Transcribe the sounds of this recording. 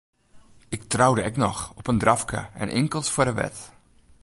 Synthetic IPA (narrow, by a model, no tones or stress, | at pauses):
ɪk̚trawdəɛknɔxɔpəndrafkə̰ɛ̰nʔɪŋkəlˠsfʊədəʋɛ̰t